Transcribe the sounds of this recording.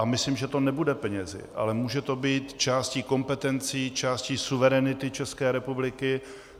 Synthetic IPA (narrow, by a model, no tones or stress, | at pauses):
amɪslimʒɛt̪o̞nɛbudɛpɛɲɛzɪ̰ʔa̰lɛmuːʒɛt̪o̞biːt̪t͡ʃaːsciːko̞mpɛt̪ɛnt͡siːt͡ʃaːsciːsuvɛɾɛnɪt̪ɪt͡ʃɛskɛːɾɛpublɪkɪ